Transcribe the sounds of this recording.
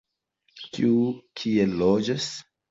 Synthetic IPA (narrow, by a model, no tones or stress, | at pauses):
kiukʰielːod͡ʒas